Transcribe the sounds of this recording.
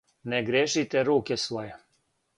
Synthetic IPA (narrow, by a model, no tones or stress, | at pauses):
nɛɡɾʲeʃit̪ɛɾuːkɛsʋɔjɛ